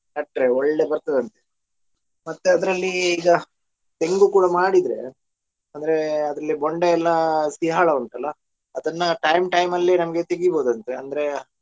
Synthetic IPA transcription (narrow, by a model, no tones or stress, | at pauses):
nɐʈːɾeɔɭːebɐɾt̪ɐd̪ɐnt̪e | mɐt̪ːeɐd̪ɾɐlːiːɡɐ | t̪e̞ŋɡukuːɽɐmaːɽid̪ɾe̞̰ | ɐnd̪ɐɾe̞ɐd̪ɾɐlːiboɳɖeɛlːɐsiɦaːɭɐɐɳʈ̪ɐlːɐ | ɐd̪ɐnːɐʈɐjmʈɐjmɐlːinɐmɐɡet̪eɡibo̞ːd̪ɐnt̪ɐeɐnd̪ɐɾe